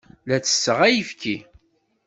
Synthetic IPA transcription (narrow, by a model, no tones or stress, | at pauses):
læt͡sːə̥sːəʁæjəfki